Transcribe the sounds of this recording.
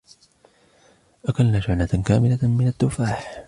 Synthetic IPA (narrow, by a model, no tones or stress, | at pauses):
ʔakalnaːd͡ʒanakaːmɪlamɪnat̪ːʊfaːħ